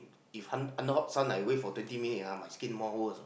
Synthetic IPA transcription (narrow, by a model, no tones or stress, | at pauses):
ifhãnãndəhɔp̚sãnajwefɔtwɛ̃ntimĩnitamajskĩnmɔhos